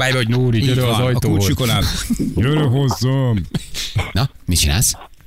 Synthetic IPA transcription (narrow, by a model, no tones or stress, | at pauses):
aːjbɛɦoɟnoːɾiøɾøɒzɒj̪ouːt͡ʃikonaːljøɾøɦozːom | nɒmit͡ʃina̰ːls